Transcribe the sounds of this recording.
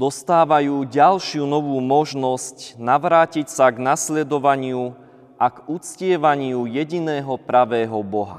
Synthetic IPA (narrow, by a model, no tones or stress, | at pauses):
d̪ɔst̪aːʋajuːɟalʃɪunɔʋuːmɔʒnɔscnaʋɾaːcicsaɡnaslɛd̪ɔʋaɲɪu | ʔaɡut͡scɪɛʋaɲɪujɛɟinɛːɦɔpɾaʋɛːɦɔbɔɦa